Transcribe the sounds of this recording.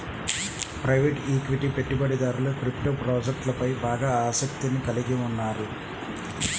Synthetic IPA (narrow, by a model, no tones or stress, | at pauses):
pɾɐjʋeːʈiːkʋiʈipe̞ʈːubɐɽid̪aːɾuloːkɾipʈoːpɾɔːd͡ʒek̚ʈlɐpɐjbaːɡaːaːsɐk̚t̪inikɐliɡiunːaːɾu